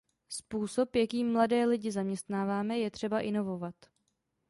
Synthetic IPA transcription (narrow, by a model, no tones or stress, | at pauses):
spuːso̞pjakiːmːladɛːlɪɟɪzamɲɛst̪naːvaːmɛjɛt̪r̝̥ɛbaʔɪno̞vo̞vat̪